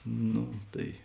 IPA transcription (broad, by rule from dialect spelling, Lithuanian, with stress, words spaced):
ˈnoː ˈtɐɪ